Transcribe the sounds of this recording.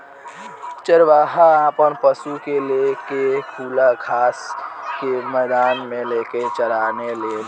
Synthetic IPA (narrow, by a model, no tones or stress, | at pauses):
t͡ʃəɾʋaːɦaapənpəsukelekekʰuːlakʰaːskemɛd̪aːnmeleket͡ʃəɾanele